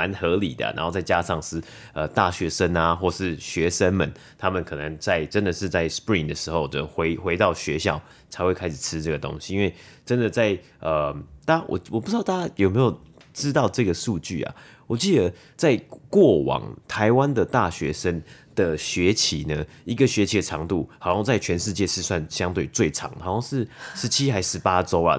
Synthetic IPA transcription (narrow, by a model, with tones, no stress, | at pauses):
a˧˦nxɤ˧˥lḭ˨˩d̪ə̰˩na̰˧˥nxo˥˧ʊt͡sa˥˩ɪt͡ɕja˦˥ʂɑ˥˧ŋʂɻ̩˥˩ | ə˨˩t̪a˥˩ɕɥɛ˧˥ʂə˥na˨xwɔ˥˧ʂɻ̩˥˩ɕɥɛ˧˥ʂə˥nmə˨nt̪ʰa˥mə˨nkʰɤ˨˩nə˧˦ŋt͡sa˥˩ɪʈ͡ʂə˦nd̪ə˨ʂɻ̩˥˧t͡sa˥˩ɪspɹi˥˩ŋd̪ə˩ʂɻ̩˧˥xo˥˩ʊwo˧˩xwe˧˥ɪxwe˧˥ɪt̪ɑ˥˩ʊɕɥɛ˧˦ɕjɑ˥˩ʊ | t͡sʰa˧˥ɪxwe˥˩ɪkʰa˥ɪʂɻ̩̥˨˩t͡sʰɻ̩˦ʈ͡ʂɤ˥˩ɡə˩t̪o̰˥ŋɕi̥˨i˦nwe˥˩ɪʈ͡ʂə˦nd̪ə˨t͡sa˥˩ɪ | ə˨˩t̪a˥wɔ̰˨˩wɔ˨˩p̬u̥˧ʈ͡ʂɻ̩˥ɑ˥˩t̪a˥a˥jo˨˩ʊme˧˥ɪjo˨˩ʊ | ʈ͡ʂɻ̩˦˥t̪ɑ˥˧ʊʈ͡ʂɤ˥˩ɡə˩ʂu˥˧t͡ɕy̰˥˩a̰˨˩ | wɔ˨˩t͡ɕi˥˩d̪ə˦ | t͡sa˥˧ɪkwɔ˥˩wɑ̰˨˩ŋt̪ʰa˧˦ɪwa˦nd̪ə˨t̪a˥˩ɕɥɛ˧˥ʂə˥nd̪̥ə˨ɕɥɛ˧˥t͡ɕʰi˧˥nə˧˦ | i˧˥ɡə˨ɕɥɛ˧˥t͡ɕʰi˧˥d̪ə˨ʈ͡ʂʰɑ˧˥ŋt̪u˥˩hɑ˨˩ɑ˥˧ŋt͡sa˥˩ɪt͡ɕʰɥɛ˧˦˥nʂɻ̩˥˧t͡ɕjɛ˥˧ʂɻ̩˥˧swa˥˧nɕjɑ˥ŋt̪we˥˩ɪt͡swe˥˩ɪʈ͡ʂʰɑ̰˧˥ŋt̪ʰa˨˥˦wɑ˥ŋʂɻ̩˥˩ʂɻ̩˧˦t͡ɕʰi˥xa˧˥ɪʂɻ̩˧˦˥pa˦ʈ͡ʂo˥ʊa̰˨